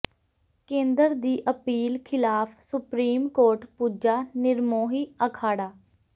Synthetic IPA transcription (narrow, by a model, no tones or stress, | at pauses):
kẽːnd̪əɾd̪iːʔəpiːlkʰɪlaːpʰsʊpɾiːmkoːɾʈpuːd͡ʒaːnɪɾmoːɦiːəkʰaːɽaː